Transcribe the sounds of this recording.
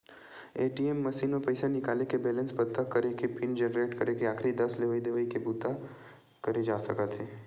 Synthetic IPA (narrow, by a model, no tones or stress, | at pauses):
eʈiemːəʃinopəjsanɪkalekebɛlə̃nsbət̪ːakːəɾekepind͡ʒɛnəɾeʈkəɾekeaːkʰɾid̪əsleʋaid̪eʋəikebut̪a | kəɾed͡ʒasəkat̪ʰe